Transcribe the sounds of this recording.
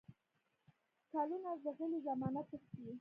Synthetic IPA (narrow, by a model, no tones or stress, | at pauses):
kɑlunazəɣəlizamɑnat̪əxt̪wi